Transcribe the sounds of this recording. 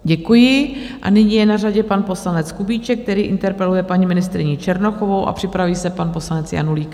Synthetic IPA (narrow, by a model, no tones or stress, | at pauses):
ɟɛkujɪ | ʔa̰nɪɲijɛnaraɟɛpanpo̞slanɛt͡skubiːt͡ʃɛk̚t̪ɛɾiːʔɪnt̪ɛɾpɛlujɛpaɲimɪnɪst̪ɾɪɲit͡ʃɛɾnoxo̞vo̞wʔa̰pr̥ɪpɾaviːsɛpanpo̞slanɛt͡sja̰nuliːk